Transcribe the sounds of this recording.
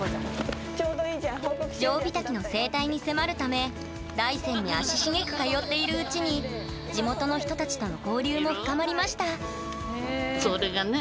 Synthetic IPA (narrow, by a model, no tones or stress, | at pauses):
oːd̪oiːaod͡ʑo̞ːbʲit̪akʲino̞se̞ːt̪aiɲ̟ise̞maɾɯ̟t̪ame̞ | d̪aisẽ̞ɲ̟ːiaɕiɕiŋe̞kɯ̟̥kajo̞t̪ːe̞iɾɯ̟ɯ̟t͡ɕiɲ̟i | d͡ʑimo̞t̪o̞no̞çi̥t̪o̞t̪at͡ɕi̥t̪o̞no̞ko̞ːɾʲɨːmo̞ɸɯ̟̥kamaɾʲimaɕi̥t̪a | soɾeɡan